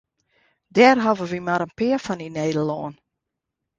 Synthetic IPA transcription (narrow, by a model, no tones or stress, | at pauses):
dɛːrɦɔvəʋimaɾənpɪəfɔnineːdəlɔːn